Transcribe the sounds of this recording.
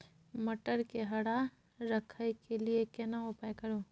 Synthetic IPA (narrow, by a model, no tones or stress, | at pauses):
mɐʈəɾkeɦɐɽa | ɾɐkʰajkeliekenaʊpajkɐɾoː